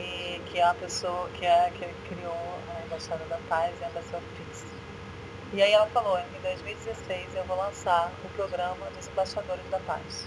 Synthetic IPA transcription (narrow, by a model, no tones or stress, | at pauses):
ɪkɪɛũmɐpesowɐkʰɪɛkekɾiowẽbaʃad̪ɐd̪ɐpajzɪɛ̃basoɐp̪ɾisɐ̥ | ɪaiɛlɐfalowẽɪ̃d̪ojzmiwid͡ʒɪzesejzewvowlɐ̃saɾʊpɾoɡɾɐ̃mɐd̪ʊzẽmbaʃad̪oɾɪzd̪ɐpa̰js